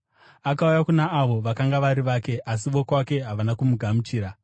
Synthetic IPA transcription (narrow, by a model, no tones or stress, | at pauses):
akaujakunaːʋo̞ʋakaŋɡaʋaɾiʋake̞ʔas̬iʋo̞kwake̞ɦaʋanakumuɡʱamut͡ʃiːɾa